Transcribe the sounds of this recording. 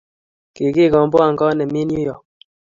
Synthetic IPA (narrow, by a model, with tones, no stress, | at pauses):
ke˨ki˦˨kɔ˨m˦bɔ˦a˦˨ŋ˨kɔ˦nɛ˨mi˦n˦ju˦jɔ˨